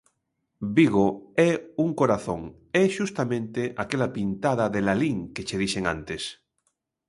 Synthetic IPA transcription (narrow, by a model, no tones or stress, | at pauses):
biɣoɛuŋkoɾaθõŋ | ɛʃust̪amẽnt̪eʔakelapint̪aðaðelaliŋket͡ʃeðiʃeŋã̰nt̪es